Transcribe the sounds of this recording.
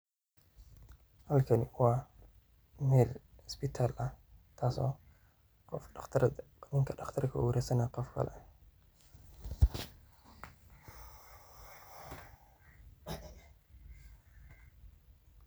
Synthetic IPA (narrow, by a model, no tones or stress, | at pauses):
hɐlkʰɐnwɑː | mɛːlspɪt̪ʰalʔɐt̪ʰaːsɔ̰ː | ɔfʰ | nɪŋkʰɐɑχt̪ʰɐrkʰɐʔuɾɛsɐnaqɔfkʰɐ̰lɛ̰